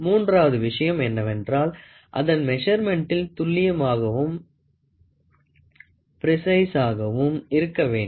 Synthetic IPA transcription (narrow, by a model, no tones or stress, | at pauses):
muːndraːʋɐðɯʋɪʂɐjɐmɛnːɐʋɛndraːl | ʔɐ̰ðɐnmɛʂɐɾmɛɳʈɪlt̪ʊɭːɪjɐmaːɣɐʋɯm | pɪɾɪsɐɪsaːɣɐʋɯmɪɾɯkːɐʋeːn